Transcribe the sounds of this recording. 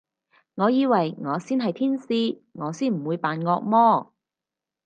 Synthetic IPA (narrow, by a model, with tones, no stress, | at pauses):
ŋɔː˨˧jiː˨˧wɐ˨˩jŋɔː˨˧siː˥nɦɐ˨jt̪ʰiː˥nsiː˧ | ŋɔː˨˧siː˥nm̩˨˩wuː˨˧jpaː˨nŋɔː˧k̚mɔː˥